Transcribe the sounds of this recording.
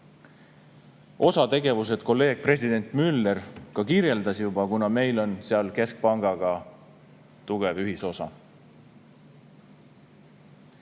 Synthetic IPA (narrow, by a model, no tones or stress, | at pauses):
ʔo̞sɑt̪e̞ɡe̞vuse̞d̪̥ko̞lːe̞ːɡ̥̚pre̞sʲid̪e̞nt̪ˑmylːerkɑkiɾje̞ld̪ɑsjubɑkunɑme̞jlo̞nseɑlke̞sk̚pɑŋɡ̥ɑɡ̥ɑ | t̪uɡ̥e̞vyɦiso̞sɑ̰